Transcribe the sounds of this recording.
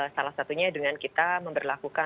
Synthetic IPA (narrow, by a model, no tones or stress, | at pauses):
salahsat̪uɲadəŋankit̪aməmbərlakuka